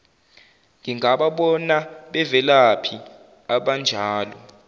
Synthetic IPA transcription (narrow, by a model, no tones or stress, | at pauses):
ŋʱiŋʱaɓaɓɔnaɓɛvɛlapʰi | aɓand͡ʒʱaːlɔ